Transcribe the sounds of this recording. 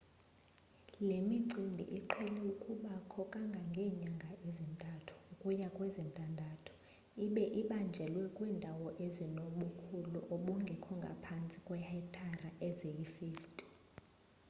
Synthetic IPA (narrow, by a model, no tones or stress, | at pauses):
lemiǀindʱḭʔiǃʰɛlɛukʼuɓakʰɔkʼaŋɡʱaŋɡʱɛːɲaŋɡʱaʔizintʼatʰu̥ukʼujakʼwɛzintʼandʱatʰu̥ | iɓɛʔiɓand͡ʒʱɛlwɛkʼwiːndʱawɔʔezinoɓukʰuluʔoɓuŋɡʱɛkʰɔŋɡʱa̰pʰant͡sʼi̥kʼwɛhɛtʰaraʔɛzejifiːftʰʼi